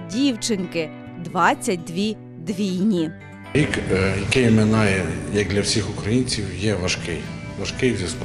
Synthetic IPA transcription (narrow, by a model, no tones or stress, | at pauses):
dʲiwt͡ʃɪnkɪ | d̪ʋɑt͡sʲːɐt̚ʲd̪ʋʲi | d̪ʋʲijnʲi | ɾʲikjɐkɪjmenɑjɛjɐk̚d̪lʲɐwsʲixʊkɾɐjinʲt͡sʲiwjɛʋɐʃkɪjʋɐʃkɪjzʲɐsp